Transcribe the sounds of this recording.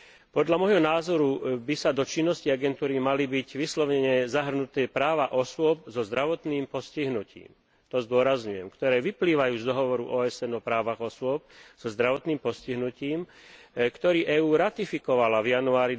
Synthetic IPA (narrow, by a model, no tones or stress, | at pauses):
pɔd̪ʎamɔjɦɔnaːzɔɾubisad̪ɔt͡ʃinːɔsciaɡɛnt̪uːɾimalibiɟʋislɔʊɲɛɲɛzaɦr̩nut̪ɛːpɾaːʋaʔɔsʊɔb̚zɔzd̪ɾaʋɔt̪niːmpɔsciɦnucḭːm | t̪ɔzd̪ʊɔɾazɲujɛmkt̪ɔɾɛːʋipliːʋajuːzd̪ɔɦɔʋɔɾṵʔɔːɛsɛnɔpɾaːʋaɣɔsʊɔp̚z̥ɔzd̪ɾaʋɔt̪niːmpɔsciɦnuciːmkt̪ɔɾiːʔɛːuːɾat̪ifikɔʋalavjanuaːɾi